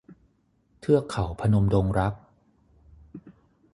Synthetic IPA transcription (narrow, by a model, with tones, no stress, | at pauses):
t̪ʰɯ˥˩ɐkʰa˩˦wpʰa˧no˧mdoː˧ŋɾa˦˥k̚